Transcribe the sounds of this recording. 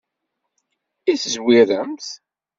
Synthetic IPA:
iθəzwiɾəmθ

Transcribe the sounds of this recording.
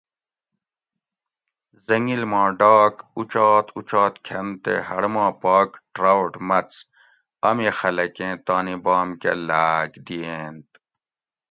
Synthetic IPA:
zɐŋɡilmɑ̃ːɖaːkut͡ʃaːt̪ut͡ʃaːt̪kʰɐnt̪ḛhɐɽmãːpaːkʈɾawʈmɐt͡s | ɐmiːxɐlɐkẽːt̪aːnibaːmkḛlaːɡd̪ieːnt̪

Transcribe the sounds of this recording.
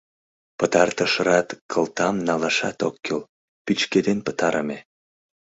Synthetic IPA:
pət̪ɑrt̪əʃəɾɑt̪kʰəlt̪ɑmnɑlɑʃɑt̪o̰kʰːel | pyt͡ɕked̪enpə̥t̪ɑɾəme

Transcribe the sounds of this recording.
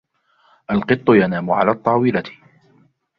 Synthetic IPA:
ʔalqɨt̪ˤːʊjanaːmʊʕa̰laːt̪ˤːɑːwɪlat̪

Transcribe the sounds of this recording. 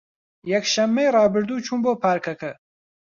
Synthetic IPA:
jɛkʃɐmːejrɑːbɨɾd̪uːt͡ʃʰuːnboːpʰaːɾkʰɐkʰɐ

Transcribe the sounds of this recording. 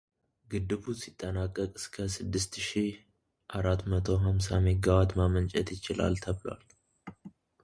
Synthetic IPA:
ɡɨd̪ɨβusit̪ʼːənakʼːəkʼɨ̥skʰəsɨd̪ːɨst̪ʃih | ʔaɾat̪ːmət̪ʰo̞ɦamsameɡawat̪mamənt͡ʃʼɛt̪jɪt͡ʃɪla̰lt̪ʰəβla̰l

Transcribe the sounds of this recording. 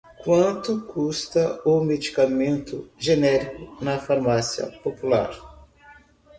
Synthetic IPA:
kwɐ̃nt̪ʊkust̪ɐʊmed͡ʒikamẽnt̪ʊʒenɛɾikʊnɐfaɾmasiɐ̰popula̰ɾ

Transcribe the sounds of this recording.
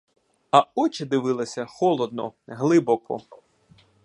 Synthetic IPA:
ɐɔt͡ʃɪd̪ɪʋɪlˠɐsʲɐxɔlˠɔd̪̚nɔ̰ɦlˠɪbɔkɔ̰

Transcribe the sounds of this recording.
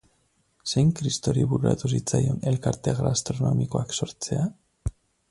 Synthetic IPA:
se̞jŋkɾist̪o̞ɾiβuɾuɾa̰t̪us̬it͡sajo̞ne̞lkaɾt̪e̞ɣɾaːst̪ɾo̞no̞miko̞akso̞ɾt͡se̞a

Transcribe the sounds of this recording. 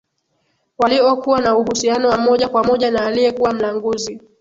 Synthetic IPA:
waliɔkuwanauhusianɔwamɔʄakwamɔʄanaːlijɛkuwam̩laŋɡuzi

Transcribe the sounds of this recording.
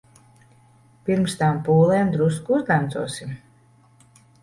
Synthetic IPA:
piɾmst̪aːmpuːlˠɛːmd̪ɾuskuzd̪amt̪zuɔsim

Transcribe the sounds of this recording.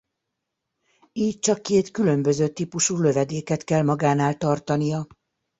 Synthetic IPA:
iːc̚t͡ʃɒkːeːt̪kylø̞mbø̞zøːt̪iːpuʃuːlø̞vɛd̪eːkɛt̪kɛlmɒɡaːnaːlt̪ɒrt̪ɒnijɒ

